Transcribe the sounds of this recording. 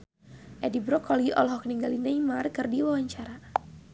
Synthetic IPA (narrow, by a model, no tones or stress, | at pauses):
ʔɛdibɾɔkʰɔliʔɔ̰lɦɔk̚niŋɡalinɛjmarkɨrdiwawaɲt͡ʃaɾa